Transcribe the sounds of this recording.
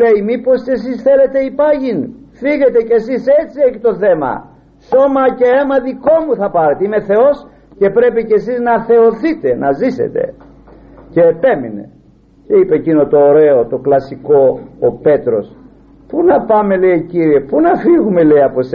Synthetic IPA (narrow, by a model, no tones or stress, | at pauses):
leimipo̞sce̞sisθe̞le̞t̪e̞ipɐʝinfiɣe̞t̪e̞ce̞sise̞t͡sieçit̪o̞θe̞mɐ̰ | so̞mɐce̞emɐðiko̞muθɐpɐɾe̞t̪eime̞θe̞o̞s | ce̞pɾe̞picesiznɐθe̞oθit̪e̞nɐzise̞̰t̪e̞̰ | ce̞ːpe̞mine̞̰ | ce̞ipecino̞t̪o̞ːɾe̞ot̪o̞klɐsiko̞ːpe̞t̪ɾo̞s | punɐpɐme̞lejciɾie̞punɐfiɣume̞le̞jɐpo̞se